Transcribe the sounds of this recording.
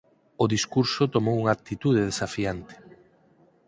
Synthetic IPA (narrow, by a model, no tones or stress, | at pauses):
oðiskuɾsot̪omowuŋakt̪it̪uð̞eðesafiant̪e̥